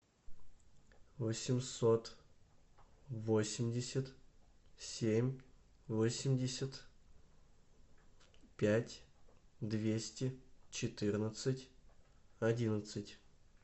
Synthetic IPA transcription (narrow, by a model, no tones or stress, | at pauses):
vəsʲɪmso̞t̪ | vo̞sʲɪmʲdʲɪsʲət̪ | sʲemʲ | vosʲɪmʲdʲɪsʲət̪ | pʲætʲd̪vʲesʲtʲɪt͡ɕɪt̪ɨrnət̪sɨtʲ | ɐdʲinət̪sɨtʲ